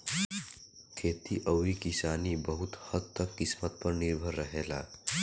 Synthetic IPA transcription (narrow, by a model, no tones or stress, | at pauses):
kʰeːt̪iʔəwɾikisaːnibəɦut̪həd̪t̪ːəkːismət̪̚pəɾniɾbʱəɾːəɦela̰